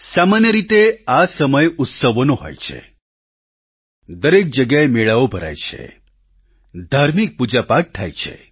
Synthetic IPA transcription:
samanjəɾit̪easəməjʊt̪səʋonoɦo̰jt͡ʃʰḛ | d̪əɾek̚d͡ʒəɡjaemeɭaobʱəɾa̰jt͡ʃʰḛ | d̪ʱaɾmik̚pud͡ʒapak̚t̪ʰa̰jt͡ʃʰḛ

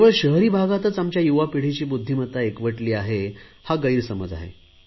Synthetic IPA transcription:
ʋəɭɕəɦɾiːbʱaɡat̪ət͡samt͡ɕjajuʋapiɽ̤it͡ɕiːbud̪ʱːimət̪aekʋəʈliːaɦehaɡəiɾsəməd͡za̰ɦḛ

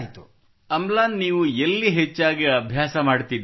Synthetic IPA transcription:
t̪u | ɐmlaːnniːʋuelːiɦet͡ʃːaːɡiɐbʱjaːsɐmaːɽt̪id̪

